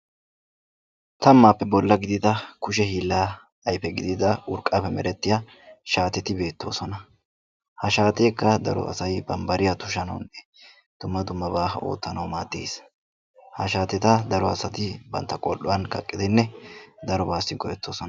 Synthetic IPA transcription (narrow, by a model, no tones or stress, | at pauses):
t̪ɐmːaːpːɛbɔlːɐɡɪd̪ɪd̪ɐkʊʃ̬ɛhiːlːaː | ɐjpɛɡɪd̪ɪd̪ɐʊɾkʼɐpɛmɛɾɛt̪ːɪja | ʃaːt̪ɛt̪ɪbe̞ːt̪ːo̞̰ːsɔnɐ | hɐʃaːt̪e̞ːkːɐd̪ɐɾɔ̰ɐ̰sɐjbɐmbɐɾɪjɐt̪ʊʃɐnɐ̰wnːɛ | d̪̥ʊmːɐd̪ʊmːɐbaːho̞̰ːt̪ːɐnɐwmaːt̪ːḛːs | hɐʃaːt̪ɛt̪ɐd̪ɐɾɔɐsɐt̪ɪbɐ̰nt̪ːɐkʼɔlːɔwɐnkɐ̰kʼːɪd̪ɛnːɛd̪ɐɾɔbaːsɪkɔɾɛt̪ːo̞ːsɔnɐ